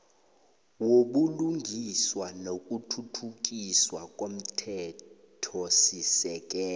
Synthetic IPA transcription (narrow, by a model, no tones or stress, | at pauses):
woɓuluŋɡʱiswanokʼutʰutʰuk̬ʼiswakʼom̩tʰɛ | tʰɔsisɛk̬ʼɛː